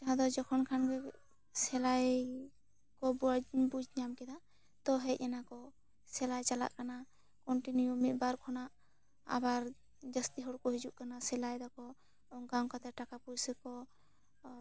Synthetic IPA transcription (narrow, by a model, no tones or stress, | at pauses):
t̪aɦad̪ɔd͡ʒɔkʰɔnkʰanɡɛ | sɛlaj | kɔbud͡ʒbud͡ʒɲamkɛd̪a | t̪ɔɦɛc̚ˀɛnakɔ | sɛlajt͡ʃala̰ʔkana | kɔɳʈinujumit̪̚ˀbaɾkʰɔnaʔ | a̰baɾ | d͡ʒəst̪iɦɔɽkɔɦid͡ʒuʔkanasɛlajd̪ɔkɔ | ɔŋɡawkat̪ɛʈakapujsɛkɔ